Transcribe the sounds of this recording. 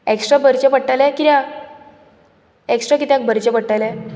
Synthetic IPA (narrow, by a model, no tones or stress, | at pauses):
eksʈɾabəɾt͡ɕepəɽʈːalɛ̃kiɾja | eksʈɾakit̪jãŋk̚bəɾt͡ɕepəɽʈalɛ